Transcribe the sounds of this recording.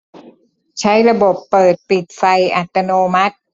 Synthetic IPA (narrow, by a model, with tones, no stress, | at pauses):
t͡ɕʰa˦˥jɾa˧bo˨˩pːɤː˨˩t̪̚pi˨˩t̪̚fa˧jʔa˨˩t̪ːa˧noː˧ma˦˥t̪̚